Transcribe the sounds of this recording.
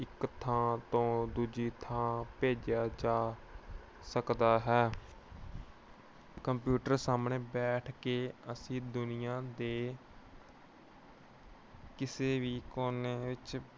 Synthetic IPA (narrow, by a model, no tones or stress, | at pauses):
ɪkt̪ʰãːt̪õːd̪ud͡ʒiːt̪ʰãːpeːd͡ʒjaːd͡ʒaː | səkd̪aːɦɛː | kəmpjuːʈəɾsaːmɳeːbɛːʈʰkeːəsĩːd̪ʊnɪjãːd̪eː | kɪseːʋiːkoːneːʋɪt͡ʃ